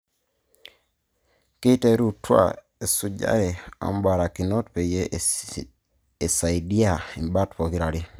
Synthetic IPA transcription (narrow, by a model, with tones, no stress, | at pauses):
ki˦te˦ɾu˦twa̰˨ | e˨su˨ɟa̰˦ɾe˨a̰˦m˦ba˨ɾa˨ki˨no˦tpe˨je˦ | e˨sa˨i˨di˦a˨i˨mba˦tu̥po˨ki˦ɾa˨li˦